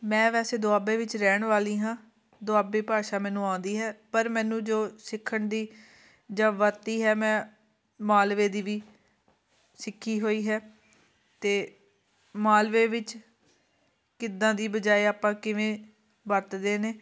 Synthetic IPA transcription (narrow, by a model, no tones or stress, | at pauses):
mɛ̃ːʋɛːseːd̪ʊaːbeːʋɪt͡ʃɾɛːɳʋaːlĩːɦãː | d̪ʊaːbeːpaːʃaːmɛːnũːaːʊnd̪iːɦɛːpəɾmɛ̃ːnũːd͡ʒoːsɪkʰːəɳd̪iː | d͡ʒãːʋət̪iːɦɛːmɛ̃ː | maːlʋeːd̪iːʋiː | sɪkʰːiːɦoːiːɦɛː | t̪eː | maːlʋeːʋɪt͡ʃ | kɪd̪ãːd̪iːbəd͡ʒaːeːaːpãːkɪʋẽː | ʋət̪d̪eːneː